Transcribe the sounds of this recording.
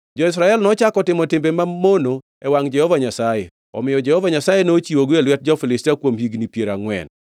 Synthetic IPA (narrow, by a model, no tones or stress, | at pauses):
d͡ʒɔɪs̬ɾaɛlnɔt͡ʃakɔtɪmɔtɪmbemamono | ɛwaŋd͡ʒɛhɔvaɲasajɛ | ɔ̰mɪjɔd͡ʒɛhɔvaɲasajenot͡ʃiwoɡelwɛt̚d͡ʒɔfɪlɪstiakwomhiɡnipjeɾaŋwɛ̰n